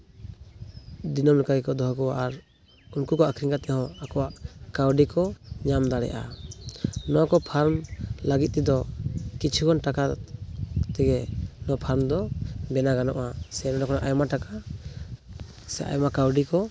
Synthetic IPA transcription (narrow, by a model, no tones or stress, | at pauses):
d̪inɔmlɛkaɡɛkɔd̪ɔɦɔkɔwaʔaɾ | unkukɔʔakʰɾiŋkat̪ɛhɔ̃akɔwaʔkawɖikɔɲamd̪aɽɛ̰ʔa̰ | nɔkɔpʰaɾmlaɡit̪̚t̪id̪ɔkit͡ʃʰukɔnʈaka | t̪ɛɡɛnɔpʰaɾmd̪ɔbɛnaɡanɔʔasɛnɔɖɔkɔnaʔajɔmaʈaka | sɛʔa̰jmakawɖikɔ